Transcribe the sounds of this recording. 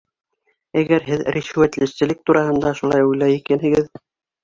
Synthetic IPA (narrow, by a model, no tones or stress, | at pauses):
æɡæɾɦɘðɾiʃwæt̪lɘ̆ʃsɘ̆lɘk̚t̪uɾɑhɤ̆nd̪ɑʃulˠɑjujlæjikænɦɘ̆ɡɘð